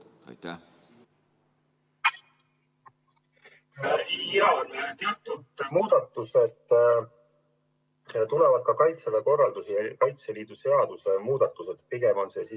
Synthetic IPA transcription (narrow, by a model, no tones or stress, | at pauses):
ɑnt̪eɑt̪ːˑud̪̥muːd̪̥ɑt̪ːˑuse̞d̪̥ | t̪ulevɑd̪̥kɑkɑjt̪seleko̞rːɑld̪usiɑkɑjt̪seliːd̪̥use̞ɑd̪̥usemuːd̪ɑt̪ːˑuse̞d̪piɡ̥emo̞nsesi